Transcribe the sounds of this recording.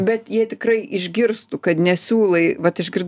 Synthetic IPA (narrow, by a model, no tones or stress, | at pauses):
bʲɛt̪jiɛt̪ʲɪkrɐɪɪʒʲɡʲɪrst̪ʊkɐt̪nʲɛsʲuːlˠɐɪʋɐt̪ɪʒʲɡʲɪrd̪